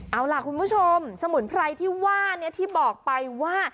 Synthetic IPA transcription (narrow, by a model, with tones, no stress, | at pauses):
ʔa˧˩wla˨˩kʰu˧npʰuː˥˩t͡ɕʰo˧msa˧mɯ˩˦npʰɾa˧jt̪ʰiː˥˩waː˥˩ni˥˩ɐt̪ʰiː˥˩bɔː˨˩k̚pa˧jwaː˥˩